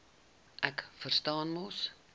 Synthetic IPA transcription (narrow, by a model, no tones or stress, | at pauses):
ʔækfərstɑːnmɔs